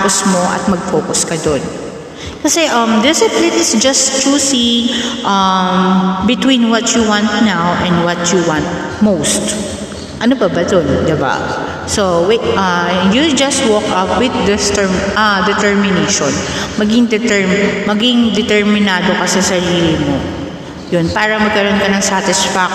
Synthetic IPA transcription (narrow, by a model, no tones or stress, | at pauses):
apɔsmoʔɐ̰t̪̚mɐɡ̚foːkʊskɐd̪on | kɐsɛʔɐ̃md̪ɛsɛplɪt̪ɪsd͡ʒɐsɾusiʔɐmbɪt̪wĩnwɐt̪juwãnt̪̚nawʔɛ̃nd̪wɐt̪juwãnt̪̚ | mowst̪ | ʔɐnobɐbɐd̪ond̪ɪba̰ | soweʔɐjud͡ʒɐst̪̚wɔkɐpwɪd̪̚d̪ɛst̪ɛɐd̪ɛt̪ɛɹmɪnejʃon | mɐɡɪŋd̪ɛt̪ɛɹmɐɡɪŋd̪ɛt̪ɛɹmɪnaːd̪okɐsɐsɐɾiːlɪmo | jonpaːɾɐmɐɡ̚kɐɾonkɐnɐŋsat̪ɪsfak̚